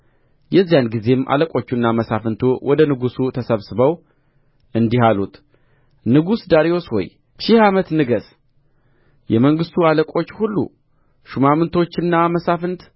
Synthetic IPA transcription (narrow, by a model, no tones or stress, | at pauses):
jɛzːijanɡize̞mʔa̰ləkʼo̞t͡ʃːunːaməsafɨnt̪ʰuwʔɔd̪ənɨɡusut̪ʰəsəβsɨβəw | ɨnd̪ihalut̪ | nɨɡusd̪aɾio̞swɔ̰j | ʃɪhamət̪nɨɡəs | jɛməŋɡɨst̪ʰualəkʼo̞t͡ʃːhulːṵ | ʃumamɨnt̪ʰo̞t͡ʃːɨnːaməsafɨnt̪